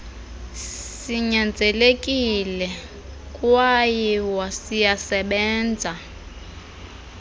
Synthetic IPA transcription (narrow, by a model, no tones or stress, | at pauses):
siɲand͡zʱɛlek̬ʼilɛ | kʼwajiwwasijasɛɓɛːnd͡zʱa